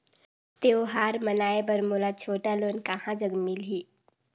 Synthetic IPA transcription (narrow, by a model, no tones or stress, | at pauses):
t̪eːoɦaːɾmənaːebəɾmoːlat͡ʃʰoːʈaloːnkahãd͡ʒəɡmilɦiː